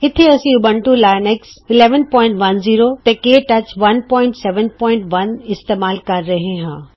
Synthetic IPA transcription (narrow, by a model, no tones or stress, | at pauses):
ɦɪt̪ʰeɐsĩʊbə̃ɳʈulaːjneksɪleːʋənpɔːɪ̃ɳʈʋɐnziːɾot̪ɐ̃keːʈɐt͡ɕʋɐnpɔ̃ːɪ̃ɳʈsɛːʋə̃npɔːɪ̃ɳʈʋɐnɪst̪eːmaːlkɐɾːɐɦẽɦãː